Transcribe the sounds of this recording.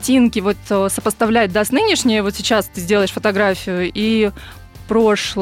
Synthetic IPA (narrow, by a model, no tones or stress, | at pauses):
tʲinkʲɪvo̞t̪əsəpəst̪ɐvlʲæt̚ʲd̪asnɨnʲɪʂnʲɪjəvo̞t̪sʲɪt͡ɕast̪ɨzʲdʲelˠəɪʂfət̪ɐɡɾafʲɪjʊi | pɾo̞ʂlˠ